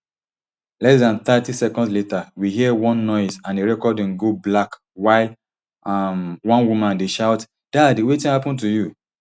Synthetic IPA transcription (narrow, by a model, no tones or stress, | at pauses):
lɛsdãnθatisɛkɔ̃ndsletawiɦiɛwɔ̃nːɔɪzãneɹɛkɔdĩnɡoblak | waɪl | amwɔ̃nwumãndeʃaʊt | d̥aadiwetĩnhapɔ̃ntuju